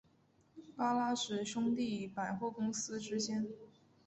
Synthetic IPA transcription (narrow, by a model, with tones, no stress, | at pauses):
pa˥la˥ʂɻ̩˨˩ʂʊ˥ŋt̪i˥˩˨pa˨˩ɪxwɔ˥˩kʊ˥ŋsɹ̩˥ʈ͡ʂɻ̩˥ɕjɛ˥n